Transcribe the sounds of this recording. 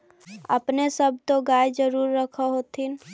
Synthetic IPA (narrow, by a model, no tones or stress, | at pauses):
ə̰pnesəb̚ʱt̪oɡaːjd͡ʒəɾuːɾːəkʰəɦot̪ʰin